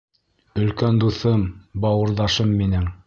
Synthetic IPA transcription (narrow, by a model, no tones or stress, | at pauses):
ɵ̆lkænd̪uθɤmbɑwɤ̆ɾðɑʃɤmːinɘŋ